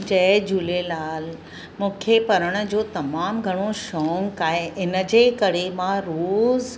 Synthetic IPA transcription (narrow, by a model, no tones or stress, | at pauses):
d͡ʑɛd͡ʑuːlelaːl | mũːkʰepɐɾəɽ̃ə̆d͡ʑoːt̪ɐmaːmɡʱɐɽ̃oʃɔːŋkaːɦeʔɪnəd͡ʑeːkɐɾemãɾoːz